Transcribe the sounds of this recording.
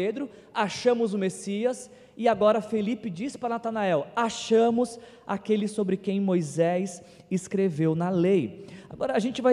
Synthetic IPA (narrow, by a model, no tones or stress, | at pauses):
ed̪ɾʊ | aʃɐ̃mʊzʊmesiɐs | ɪaɡɔɾɐfelipɪd͡ʒispɾɐnat̪anaɛwaʃɐ̃mʊs | a̰kelɪsobɾɪkẽj̃mojzɛjs | ɪskɾevewnɐleja̰ɡɔɾɐːʒẽnt͡ʃɪvaj